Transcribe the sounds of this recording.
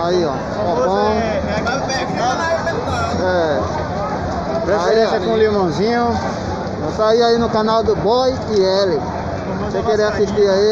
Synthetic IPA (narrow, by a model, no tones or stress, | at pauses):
aiɔ̰ | pɔpɐ̃w̃ | ɛ | pɾesiẽsɐkõlimɐ̃w̃zĩɲʊ | õsaiainʊkãnawd̪ʊbɔj | iɛlɪ | sekeɾeasiʃt̪iai